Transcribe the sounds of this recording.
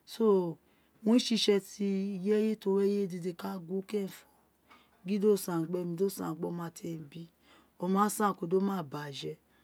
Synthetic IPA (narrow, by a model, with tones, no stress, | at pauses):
so˦ | wõ˦i˦ʃi˧ʃɛ˧ti˧i˧je˦je˦to˧˦ɾɛ˦je˦˨di˧de˧ka˦ɡu˦kɛ̃˦˨fɔ˨ | ɡi˦do˦˨sã˨ɡ͡bɛ˦˨mĩ˧do˦˨sã̰˨ɡ͡bɔ˦˨mã˦˨tʰe˦˨bi˦ | ɔ˧mã˨˦sã˦˨ko˨˧˨do˦mãː˦˨ba˨ʒɛ˧